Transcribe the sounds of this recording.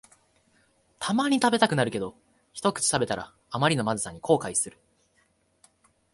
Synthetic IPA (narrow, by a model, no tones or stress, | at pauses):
t̪ʰamaɲ̟it̪abe̞t̪akɯ̟naɾɯ̟ke̞d̪o | çi̥t̪o̞kɯ̟̥t͡ɕi̥t̪abe̞t̪aɾa̰ː | maɾʲino̞mazɨsaɲ̟ːikʰo̞ːkaisɨɾɯ̟